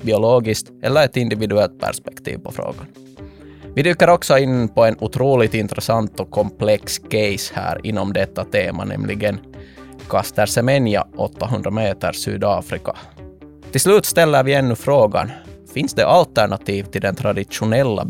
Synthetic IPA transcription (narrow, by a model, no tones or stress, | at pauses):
bɪʊloːɡɪst̪ɛlːəɾɛt̪ɪnd̪ɪvɪd̪ʉɛlt̪̚pʰæ̰ʂpɛ̥kt̪ʰḭːvpʰɔfɾo̰ːɡan | vɪd̪ykːəɾɔksɔɪnpɔɛnʉt̪ʰɾuːlɪɡt̪ɪnt̪ɾɛsɑnt̪ɔkʰɔmpʰlɛkskɛjshæ̰ːɾɪ̰nːɔmd̪ɛt̪ːat̪ʰeːma̰nɛ̰mlʔɪɡənkʰɑst̪əɾsɛmɛnja̰ʔɔt̪ːaɦɵnd̪ɾameːt̪ə̰ɾsy̰ːd̪ɑːfɾɪka | t̪ʰɪlslʉːt̪st̪ɛlːəɾvɪɛnːɵfɾoːɡa̰nfɪnsd̪ɛʔalt̪æɳat̪ʰiːvt̪ʰɪld̪ɛnt̪ʰɾad̪ɪʂʊnɛlːa̰